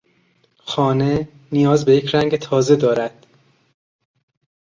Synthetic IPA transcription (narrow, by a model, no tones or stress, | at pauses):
xɒːne | nijɒːzbejecʰɾæŋɟet̪ʰɒːze̞d̪ɒːɾæd̪̥